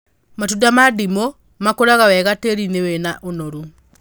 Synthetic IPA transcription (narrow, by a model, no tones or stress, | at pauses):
matudamadimo | makoɾaɣawɛɣateɾinewɛnaʔonɔɾu